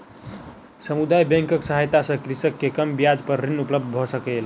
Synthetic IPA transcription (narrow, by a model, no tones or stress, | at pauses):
səmud̪ajbɛ̃ŋkəksəɦajt̪asə̃kɾisəkːekəmbijad͡ʒpəɾːinupləb̚d̪bʱɔsəkɛl